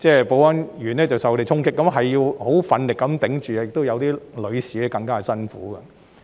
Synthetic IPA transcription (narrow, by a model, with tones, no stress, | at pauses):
t͡sɛː˥˩po˨˧wɐ˥njyː˨˩nɛː˥t͡sɐ˨wsɐ˨wkɔ˧te˨jt͡sʰʊ˥ŋkɪ˥kːɐ˧˥mɦɐ˨jjiː˧who˨˥wfɐ˨˧nlɪ˨kːɐ˨˥mt̪ɪ˨˥ŋt͡ʃyː˨ɐ˧jɪ˨kt̪o˥wjɐ˨˧wt̪iː˥lɵ˨˧ɥsiː˨˥kɛ˧˥kɐ˧ŋkaː˥˨sɐ˥nfuː˨˥kɐ˧˨